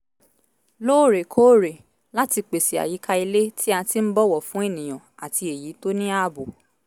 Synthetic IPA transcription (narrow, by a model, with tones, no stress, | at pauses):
loː˦˨ɾe˨kʰoː˦ɾe˨ | la˦ti˧k͡pe˨si˨a̰˨ji˨˦ka˧i˧le˦ti˦a˧ti˦m̩˦bɔ˦wɔ˨fũ˨˦e˦˨nĩ˨j̃ã˨a˨ti˧e˨ji˨˦to˦nĩ˦a˦bu˨